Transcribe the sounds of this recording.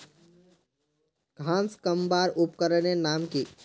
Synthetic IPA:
ɡʱãːnskəmbaːɾʊpkəɾənenaːmkiː

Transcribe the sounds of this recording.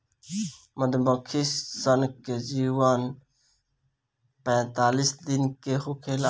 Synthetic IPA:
məd̪bəkʰissənked͡ʒiwan | pɛ̃ːt̪aːlisd̪inkeɦokʰela

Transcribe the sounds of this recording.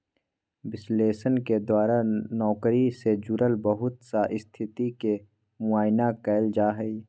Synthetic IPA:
bɪsleːsənked̪waːɾanɔːkɾised͡ʒʊɾəlbəɦʊt̪saʔɪst̪ʰɪt̪ike | mʊaːjnakɛːɪld͡ʒaːɦɛi

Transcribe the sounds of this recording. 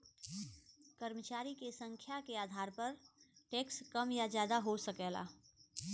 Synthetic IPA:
kəɾmət͡ʃaːɾikesə̃ŋkʰjakeaːd̪ʱaːɾpəɾʈekskəmjad͡ʒjaːd̪aɦosəkɛla̰

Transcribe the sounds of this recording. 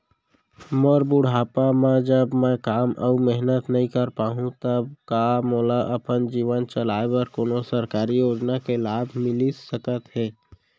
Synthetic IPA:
mɔɾbʊɽ̤ʱaːpamẽd͡ʒəbmɛ̃kaːmʔə̰mɛɦnət̪nəɦĩkəɾpaːɦũt̪əb̚kamɔːlaʔəpənd͡ʒiːʋənt͡ʃəlaːebəɾkoːnosəɾkaːɾijoːd͡ʒnakelaːbʱmɪlisəkət̪ɦɛː

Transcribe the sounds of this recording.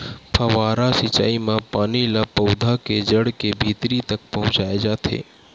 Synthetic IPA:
pʰɐʋaːɾasit͡ʃa̰ːimãpaːnilapɐwd̪ʱaked͡ʒəɽkebʱiːt̪ɾit̪ɐk̚pɐɦʊ̃t͡ʃaːed͡ʒaːt̪ʰḛː

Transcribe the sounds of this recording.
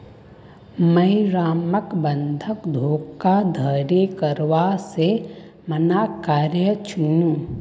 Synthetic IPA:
məiɾaːməkbə̃nd̪ʱəkd̪ʱoːkːad̪ʱəɾekəɾʋase | mənakaːɾjət͡ʃʰunũː

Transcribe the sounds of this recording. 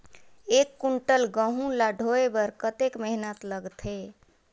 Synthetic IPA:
ekːuɳʈəlɡə̃ɦũlaɖʱoebəɾkət̪ekmɛɦinət̪ləɡt̪ʰɦe

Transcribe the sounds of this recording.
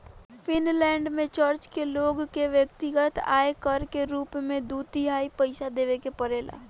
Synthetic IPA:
fʰɪnlɛ̃ːɳɖmẽt͡ʃəɾt͡ʃkeloːɡkːeʋjək̚t̪ɪɡət̪a̰ːekəɾkeɾuːpmẽd̪uːt̪iɦaːipəɪsad̪eːʋekepəɾeːla̰ː

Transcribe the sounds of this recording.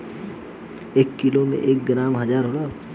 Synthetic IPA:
eːkːilomḛ̃ʔeːk̚ɡɾaːmɦɐzaːɾɦoːɾa

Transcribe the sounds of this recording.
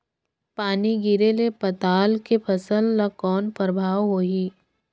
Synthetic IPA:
paːniɡiɾelepɐt̪aːlkepʰɐsəlːakɔːnpəɾəbʱaːwɦoːɦiː

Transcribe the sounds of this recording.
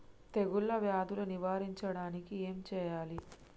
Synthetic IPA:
t̪eɡulːɐʋjaːd̪ʱuluniʋaːɾiɲt͡ʃɐɽaːnikieːmt͡ʃɛːjaːli

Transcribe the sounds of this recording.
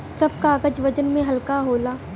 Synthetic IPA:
sɐb̚kaːɡəd͡ʒʋɐd͡ʒənmẽɦɐlkaɦoːlaː

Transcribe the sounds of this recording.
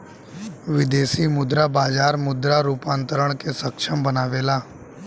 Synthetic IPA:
ʋɪd̪eːsimʊd̪ɾabaːd͡ʒaːɾmʊd̪ɾaɾuːpãːnt̪əɾəɽ̃kesəkʃʰəmbənaːʋeːlaː

